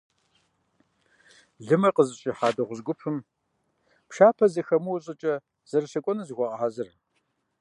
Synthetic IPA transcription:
ɮɨmɐqəzɨɕʼiːħaːdɐʁʷʊzɡʷʊpʰɨm | pʃaːpʰɐzɨxɐmuwɕʼɪt͡ʃʼɐ | z̥ɐrɨʃɐkʷʼɔnɐzɨɣʷɐʁʼɐħazɨr

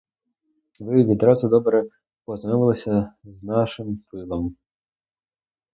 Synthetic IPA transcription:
ʋɪʋʲid̪ɾɑzʊd̪ɔbɾɛ | pɔznɔʋɪlˠɔsʲɐznɑʃɪmpɪlˠɔm

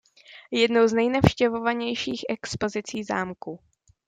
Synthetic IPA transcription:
jɛdnowznɛjnafʃcɛvo̞vaɲɛjʃiːxʔɛkspo̞zɪt͡siːza̰ːmku

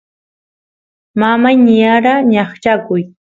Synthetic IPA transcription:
mamajnɪjaɾaɲɑχt͡ʃakʊj

